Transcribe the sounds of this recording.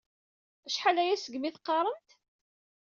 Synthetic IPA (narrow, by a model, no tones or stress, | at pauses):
æʃħalæjæsəɡmiθqːɑɾˤənt̪